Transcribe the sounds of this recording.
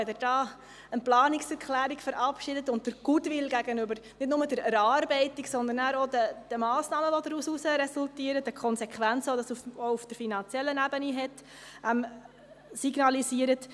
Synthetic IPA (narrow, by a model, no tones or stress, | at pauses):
ɛdəd̥ɑː | ənplɑːniksɛɾkχlæːɾikfəɾɑpʃidətʊnt̚dəɾɡ̥udʋɪlɡæɡənʏbəɾnɪtnʊmədəɾɛɾɑːɾbɛɪtiksɔnd̪ənːæːɾodəd̥əmɑːsnɑːməʋɔd̪ɾususəɾɛsultiːəɾətəkʰɔnsɛkʰʋænt͡səodɑsuoufd̥əɾfinɑnt͡sjɛlːənæbəniɦɛt | ʔɛm | siɡnɑlisiəɾət